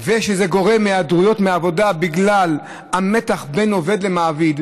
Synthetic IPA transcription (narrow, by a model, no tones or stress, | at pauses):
veʃezeɡo̞ʁe̞mːead̪ʁujo̞tmeavo̞dabiɡlal | ame̞t̪aχbe̞no̞ve̞d̪lemaːvid̪